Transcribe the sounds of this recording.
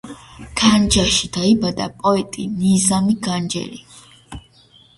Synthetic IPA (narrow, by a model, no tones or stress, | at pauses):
kʰand͡ʒaʃid̪̥aibad̪a̰pʼɔɛt̪ʼinizamiɡand͡ʒɛ̰li